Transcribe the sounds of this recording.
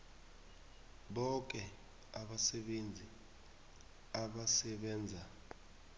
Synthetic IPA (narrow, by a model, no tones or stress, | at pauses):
ɓɔk̬ɛ | aɓasɛɓend͡zʱi | aɓasɛɓɛːnd͡zʱa